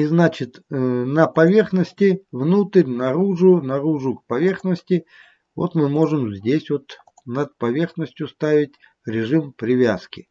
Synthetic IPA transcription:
iznat͡ɕɪt̪nəpɐvʲe̞rxnəsʲtʲɪvnut̪ərʲnɐɾuʐʊnɐɾuʐʊk̚pɐvʲe̞rxnəsʲtʲɪ | vo̰t̪mɨmo̞ʐɨmzʲdʲesʲvo̞t̪ | nət̪̚pɐvʲe̞rxnəsʲtʲjʊst̪avʲɪtʲ | ɾʲɪʐɨmpɾʲɪvʲaskʲɪ

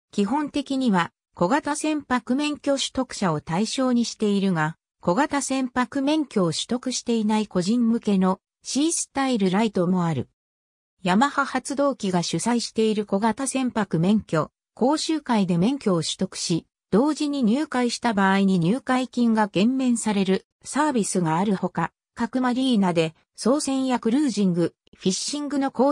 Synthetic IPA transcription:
kʲiɦõ̞nt̪e̞kʲiɲ̟iβa | ko̞ɡat̪asẽ̞mpakɯ̟mẽ̞ŋkʲo̞ɕɨ̥t̪o̞kɯ̟̥ɕao̞t̪aiɕo̞ːɲ̟iɕi̥t̪e̞iɾɯ̟ɡa | ko̞ɡat̪asẽ̞mpakɯ̟mẽ̞ŋkʲo̞ːɕɨ̥t̪o̞kɯ̟ɕi̥t̪e̞inaiko̞ʑĩmːɯ̟ke̞no̞ | ɕiːsɨ̥t̪aiɾɯ̟ɾait̪o̞mo̞aɾɯ̟ | jamahahat͡sɨd̪o̞ːkʲiɡaɕɨsaiɕi̥t̪e̞iɾɯ̟ko̞ɡat̪asẽ̞mpakɯ̟mẽ̞ŋkʲo̞ | ko̞ːɕɨːkaid̪e̞mẽ̞ŋkʲo̞ːɕɨ̥t̪okɯ̟̥ɕi | d̪̥o̞ːʑiɲ̟iɲ̟ɨːkaiɕi̥t̪abaːiɲ̟iɲ̟ɨːkaikʲĩŋɡaɡẽ̞mːẽ̞ɰ̃saɾe̞ɾɯ̟ | saːbʲisɨɡaːɾɯ̟ho̞ka | kakɯ̟maɾʲiːnad̪e̞ | so̞ːsẽ̞ɰ̃jakɯ̟ɾɯ̟ːʑĩŋɡɯ̟ | ɸʲiɕːĩŋɡɯ̟no̞koː

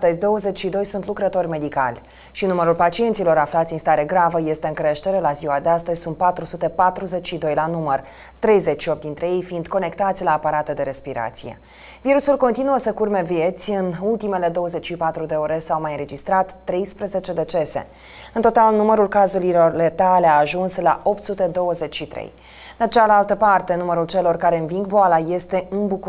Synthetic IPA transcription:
t̪əzʲd̪o̞wəze̞t͡ʃʲʃid̪o̞jsunt̪lukɾət̪o̞rʲme̞d̪ikalʲ | ʃinuməɾulpat͡ʃient̪silo̞ɾaflat̪sʲinst̪aɾe̞ɡɾavəje̞st̪e̞ɨŋkɾe̞ʃt̪e̞ɾe̞laziwad̪east̪əzʲsunt̪̚pat̪ɾusut̪e̞pat̪ɾuze̞t͡ʃʃid̪o̞jlanumər | t̪ɾe̞jze̞t͡ʃʃiop̚t̪̚d̪int̪ɾe̞je̞jfind̪ko̞ne̞kt̪at̪sʲlaːpaɾat̪ed̪e̞ɾe̞spiɾa̰t̪sije̞̰ | viɾusulko̞nt̪inuəsəkurme̞vije̞t̪sʲɨnult̪ime̞le̞d̪o̞wəze̞t͡ʃʃipat̪ɾud̪e̞oɾesawmajɨnɾe̞d͡ʒist̪ɾat̪ːɾe̞jspɾeze̞t͡ʃe̞d̪e̞t͡ʃe̞se̞̰ | ɨnt̪o̞t̪alnuməɾulkazuɾilo̞rle̞t̪aleaːʒunsla̰ʔo̞pt̪sut̪e̞d̪o̞wəze̞t͡ʃʲʃit̪ɾḛj | d̪at͡ʃealalt̪əpart̪e̞numəɾult͡ʃe̞lo̞rkaɾe̞ɨnviŋɡboalaje̞st̪e̞ɨnbuku

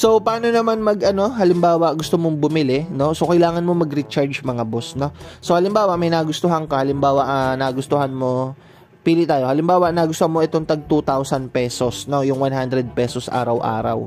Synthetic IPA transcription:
so̞pɐaːno̞nɐmanmɐɡɐno̞hɐlɪmbaːwɐʔɡʊst̪omoŋbʊmɪlɪno̞sokɐjlaːŋɐnmo̞mɐɡɾit͡ʃaɹd͡ʒmɐŋabosno̞sohɐlɪmbaːwɐʔmɐjnɐɡʊst̪oɦɐŋkɐhɐlɪmbaːwɐʔɐnaːɡʊst̪oɦanmo̞ | piːlɪt̪aːjohɐlɪmbaːwɐʔnaːɡʊst̪ohɐmoʔɛt̪oŋt̪ɐɡ̚t̪ut̪awsɐnpɛːso̞sno̞jʊŋwanɦand̪ɾɛd̪̚pɛːsosʔa̰ːɾɐwʔa̰ːɾɐ̰w

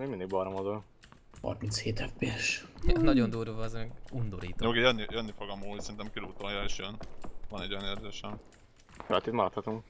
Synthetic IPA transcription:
eːmind̪iɡbɒɾomozol | hɒ̰rmint̪sheːt̪ɛfbeʃnɒɟo̞nd̪uːrvɒːzmɛɡund̪oɾiːt̪ooːkejønːijønːifo̞ɡɒmuːsɛɾint̪ɛmkiluːt̪ojɒeːʃjønvɒnɛɟojɒneːrzeːʃɛm | følɛt̪ːit̪mɒɾɒt̪hɒt̪uŋk

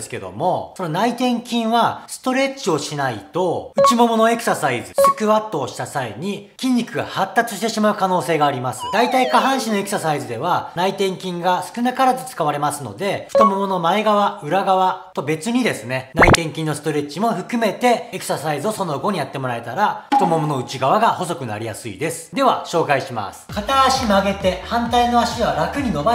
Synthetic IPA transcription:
sɨ̥ke̞̰d̪o̞̰mo̞so̞no̞nait̪ẽ̞ŋkʲĩɰ̃βasɨ̥t̪o̞ɾe̞t͡ɕio̞ɕinait̪o̞ɯ̟t͡ɕimo̞mo̞noe̞ksasaizɨsɨ̥kɯ̟βat̪ːo̞ːɕi̥t̪asaeɲ̟ikʲĩɲ̟ʲːikɯ̟ɡa̰hat̪ːat͡sɨɕi̥t̪e̞ɕimaɯ̟kano̞ːse̞ːɡaːɾʲimasɨ̥d̪̥ait̪aikaɦãɰ̃ɕinoe̞kɯ̥sasaizɨd̪e̞β̞anait̪ẽ̞ŋkʲĩŋɡasɨ̥kɯ̟nakaɾat̪ot͡sɨ̥kaβaɾe̞masɨno̞̰d̪e̞ɸɯ̥t̪o̞mo̞mo̞no̞maeɡaβaɯ̟ɾaɡaβat̪o̞be̞t͡sɨɲ̟id̪e̞sɨne̞nait̪ẽ̞ŋkʲĩnːosɨ̥t̪o̞ɾe̞t͡ɕimo̞ɸɯ̟kɯ̟me̞t̪e̞ekɯ̥sasaizɨo̞so̞no̞ɡo̞ɲ̟ijat̪ːe̞mo̞ɾae̞t̪aɾaɸɯ̥t̪o̞mo̞mono̞ɯ̟t͡ɕiɡaβaɡaho̞so̞kɯ̟na̰ɾʲija̰sɨḭd̪e̞sɨ̥d̪e̞βaɕo̞ːkaiɕima̰sɨ̥kat̪aːɕimaɡe̞t̪e̞hãnt̪aino̞aɕiβaɾakɯ̟ɲ̟ino̞ba

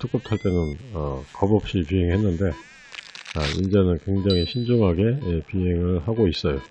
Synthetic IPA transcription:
tʰɯk̚p͈ʌp̚tʰaɭp͈jʌnɯnʌkʌbʌp̚ɕ͈ipiɦeŋɦenːɯnde̞ | aḭnd͡ʑenɯnkwe̞ŋd͡ʑaŋɦiɕʰind͡ʑoŋɦaɡe̞piɦeŋɯɭhaɡois͈ʌjo

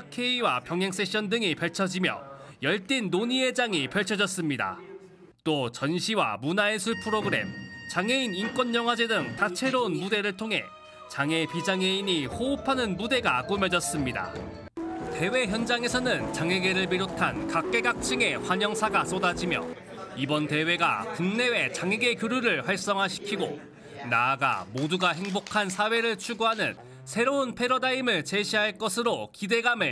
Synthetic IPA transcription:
kʰe̞iwapjʌŋɦjeŋs͈e̞ɕ͈ʌndɯŋipeɭt͡ɕʰʌd͡ʑimjʌ̰jʌɭt͈inːoɲie̞d͡ʑaŋipʌɭt͡ɕʰʌd͡ʑʌs͈ɯmɲida̰ | t͈ot͡ɕʌnɕʰiwa̰munaesʰuɭpʰɯɾoɡɯɾe̞̰mt͡ɕaŋe̞inink͈wʌnːʌŋɦwad͡ʑe̞dɯŋtat͡ɕʰe̞ɾounmude̞ɾɯɭtʰoŋɦe̞̰ | t͡ɕaŋe̞pid͡ʑaŋe̞iɲihoupʰanɯnmude̞ɡak͈umjʌd͡ʑʌs͈ɯmɲida̰ | te̞we̞çjʌnd͡ʑaŋe̞sʰʌnɯnt͡ɕaŋe̞ɡe̞ɾɯɭmiɾot̚tʰankak̚k͈e̞ɡak̚t͡ɕ͈ʰiŋe̞ɸwaɲʌŋsʰaɡas͈odad͡ʑimjʌ̰ | ibʌnte̞we̞ɡa̰kuŋne̞we̞t͡ɕaŋe̞ɡe̞kjoɾuɾɯɭɸwaɭs͈ʌŋɦaɕʰi̥kʰiɡo̰ | naːɡa̰moduɡaɦe̞ŋbokʰansʰawe̞ɾɯɭt͡ɕʰuɡoɦanɯn | sʰe̞ɾounpʰe̞ɾodaimɯɭt͡ɕe̞ɕʰiɦaɭk͈ʌsʰɯɾokide̞ɡame

